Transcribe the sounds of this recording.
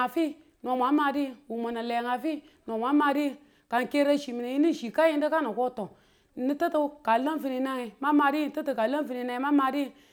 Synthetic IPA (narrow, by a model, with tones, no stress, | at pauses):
a˨fi˦ | no˨mʷa˦ma˨˦di˦wu˨ma˨na˨le˨ŋa˨fi˦ | no˨mʷa˨˦ma˨ɾi˦ | ka˨ŋ˨ke˦ɾa˦ʃi˨mi˨na˨ji˦ni˦˨ʃi˨ka˦ji˦ndi˦ka˦na˨ko˦to˨ | ni˦tə˦ti˦ka˨la˦nvi˨ni˨na˦ŋi˨ma˦ma˨ɾi˦˨˦tə˦ti˨ka˨la˦n˦vi˨ni˨na˨ŋi˨˦ma˦ma˨di˦˨